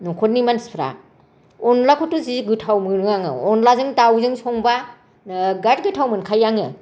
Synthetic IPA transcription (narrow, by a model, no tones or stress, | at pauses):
nɔkʰɔt̚nimanspʰɾa̰ | ɔnlakʰɔtuziɡɯtʰawmɯɾɯŋaŋɯ̰ɔnlazɯŋtawzɯŋsɔŋba | ɡat̚ɡɯtʰawmɯnkʰajaŋɯ